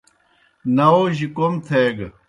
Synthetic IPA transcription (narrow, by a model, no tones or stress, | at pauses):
nɐoʑikomt̪ʰeɡ